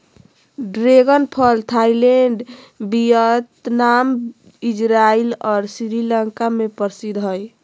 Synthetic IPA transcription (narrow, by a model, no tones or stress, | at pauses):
ɖɾeɡənpʰəlt̪ʰaileɳɖ | bijət̪nam | id͡ʒɾailɔːɾsiɾiləŋkamepəɾsid̪ɦɔj